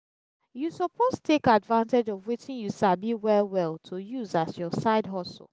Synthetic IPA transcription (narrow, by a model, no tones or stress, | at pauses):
jusɔpʰostʰekadvãnted͡ʒɔvwitĩnjuʃabiwɛlˠwɛlˠtʰujuzasjɔsaɪdɦɔsl̩ˠ